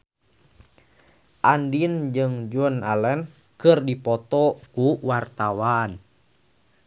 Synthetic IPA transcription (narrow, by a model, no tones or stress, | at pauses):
ʔandind͡ʒɨŋd͡ʒunalɛn | kɨrdipɔt̪ɔkuwart̪awan